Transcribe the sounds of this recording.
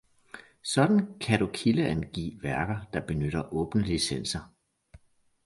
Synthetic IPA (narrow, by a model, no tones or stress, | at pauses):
sɒ̽d̥n̩kʰæɾ̥ukʰiləænɡ̥ḭːʋæɐɡ̥ɐd̥ɑ̈b̥e̝nøɾ̥ɐʔɔ̽ːb̥nəlisen̰sɐ